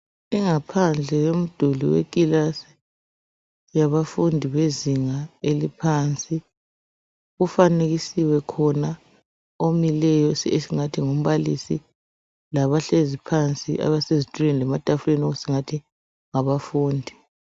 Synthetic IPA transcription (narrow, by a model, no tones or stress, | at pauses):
iŋapʰand͡ɮʱɛjom̩d̥ʱulḭwḛkʼilasi̥ | jaβafundʱiβeziŋaelipʰant͡sʼi | ɣufaneɣisiwɛkʰɔna | omilɛjɔsesiŋatʰiŋom̩βalisi | laβaɬezipʰant͡sʼḭʔa̰βasezitʼulɛnlɛmad̥ʱafulenoɣusiŋatʰi | ŋaβafuːndʱi